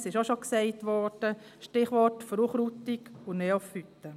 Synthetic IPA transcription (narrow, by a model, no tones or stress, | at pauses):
sɪʃoʃoksɛɪtʋɔɾd̥ə | ʃtɪχʋɔtfɾuχɾutikʊneːɔfhyt̪ːə